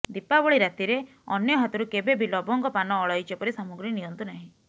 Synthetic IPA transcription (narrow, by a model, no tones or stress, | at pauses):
d̪ipabɔɭiɾat̪iɾe | ɔ̰njɔɦat̪ɔɾukebebʱilɔbɔŋkɔpanɔːɭɔjt͡ʃɔpɔɾisɔmuɡɾinijɔnt̪unaɦĩ